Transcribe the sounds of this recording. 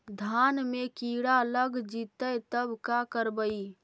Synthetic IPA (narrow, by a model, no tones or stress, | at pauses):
d̪ʱanmekiɽaləɡd͡ʒit̪əjt̪əbkakəɾbəj